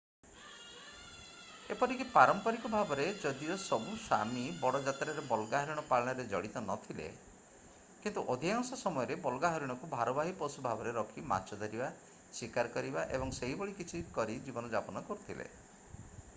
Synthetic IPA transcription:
epɔɾikipaɾɔmpɔɾikɔbʱabɔɾed͡ʒɔd̪iɔsɔbusa̰mibɔɽɔd͡ʒat̪ɾaɾebɔlɡaɦɔɾiɽ̃ɔpaɭɔɽ̃ɔɾed͡ʒɔɽit̪ɔnɔt̪ʰilḛ | kint̪uʔɔd̪ʱiaŋsɔsɔmɔjɔɾebɔlɡaɦɔɾiɽ̃ɔkubʱaɾɔbaɦipɔsubʱabɔɾeɾɔkʰima̰t͡ʃɔd̪ɔɾiba | sikaɾɔkɔɾibaʔḛbɔŋseɦibɔɭikit͡ʃʰikɔɾid͡ʒibɔnɔd͡ʒapɔnɔkɔɾut̪ʰilḛ

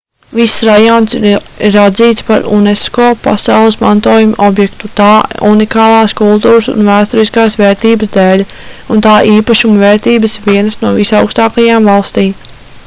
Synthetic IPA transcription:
visːɾajɔnsiɾɾad̪ziːt̪spaɾṵnɛskoːpa̰sawlˠəsmant̪uɔːjumʔɔbjɛkt̪ut̪aːṵnikaːlˠɑːskulˠt̪uːɾəsṵnvæːst̪ɔɾiskaːsʋɛːɾt̪iːbəsd̪eːlʲ | unt̪aːʔiːpaʃumvɛːɾt̪iːbəsviɛnɐsnuɔvisawkst̪aːkajaːmvɑlˠst̪iːm

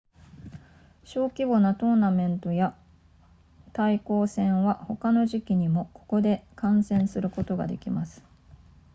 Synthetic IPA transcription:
ɕo̞ːkʲibo̞nat̪o̞ːnamẽ̞nt̪o̞ja | t̪aiko̞ːsẽ̞ɰ̃βaho̞kano̞ʑikʲiɲ̟imo̞ko̞ko̞d̪e̞kãɰ̃sẽ̞ɰ̃sɨɾɯ̟ko̞t̪oɡa̰d̪e̞̰kʲimasɨ̥

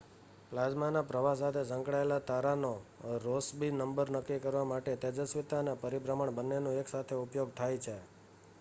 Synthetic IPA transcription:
plad͡ʒmanapɾəʋas̬at̪ʰesə̃ŋkɽaelat̪aɾanoɾosbinəmbəɾnəkːikəɾʋamaʈet̪ɛd͡ʒəsʋit̪anapəɾibɾəməɳbənːenõeksat̪ʰeupjoɡt̪ʰajt͡ʃʰe

